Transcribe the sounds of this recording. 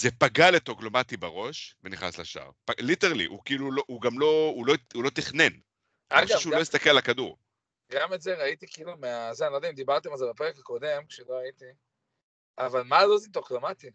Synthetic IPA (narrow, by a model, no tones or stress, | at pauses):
zepaɡaletoklo̞mat̪ibaʁo̞ʃveniχna̰slaʃa̰ʁpaliteʁalḭʔṵkiːluloʔuɡamlo̞ulo̞ulo̞t̪iχne̞n | aʃʃeuo̞jist̪akellakaduʁ | ɡametzeʁait̪ikiilumeazeanilod̪ɛaimd̪ibaʁt̪emalzebapeʁekako̞de̞mkʃeloait̪i | avalmalozitoklomat̪i